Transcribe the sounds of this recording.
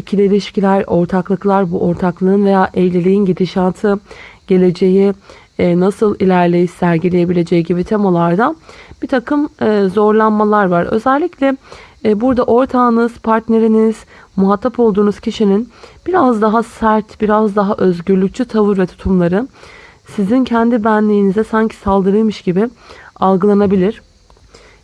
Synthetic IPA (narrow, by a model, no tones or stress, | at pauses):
icʰilʲeɾʲiʃcilʲæɾo̞ɾt̪ʰaklˠɯklˠaɾbuʔo̞ɾt̪ʰaklˠɯːɯːnve̞jaːʔɛjlʲelʲejinɟid̪iʃant̪ʰɯɟ̥e̞lʲe̞d͡ʒe̞ji | nasɯlˠilʲæɾlʲejisæɾɟilʲeje̞bilʲe̞d͡ʒejiɟibit̪ʰe̞malˠaɾd̪ab̥it̪ʰakʰɯmːzo̞ɾlˠanmalˠaɾvaɾø̞̰zælʲːiclʲɛbuɾd̪aʔo̞ɾt̪ʰaːnɯz̥pʰaɾt̪ne̞ɾiniz̥ | muɦat̪ʰːapo̞lˠd̪uːnuzcʰiʃininb̥iɾazd̪aɦasæɾt̪biɾazd̪aɦaʔø̞zɟyɾlʲyc̚t͡ʃʰyt̪ʰavɯɾvɛt̪ʰu̥t̪ʰumlˠaɾɯ | sizincʰɛnd̪ibænlʲijːnizɛsaɲcʰi̥salˠd̪ɯɾɯjmɯʃɟ̥ibɪalˠɡɯlˠanabilʲiɾ̝̥